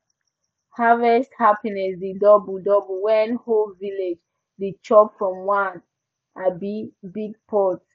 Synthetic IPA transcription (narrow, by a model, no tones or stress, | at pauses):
havɛsthapinɛsdidɔbudɔbuwɛ̃nholviled͡ʒ | dit͡ʃɔpfɹɔ̃mwãn | abibit̚pʰɔt